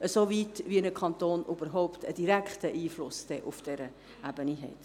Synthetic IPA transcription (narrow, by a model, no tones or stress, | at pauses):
əsovitʋiənəkʰχɑntoːnʔyb̥əɾɦɔʊptəd̥iɾækχtəʔiːflʊsd̥ɛʔufd̥ɛɾə | æbəniɦɛ̰t